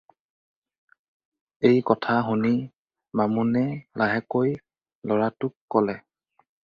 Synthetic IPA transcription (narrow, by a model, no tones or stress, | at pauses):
ejkɔtʰaɦuni | mamunɛlaɦɛkoj | lɔɹatʊkːɔlɛ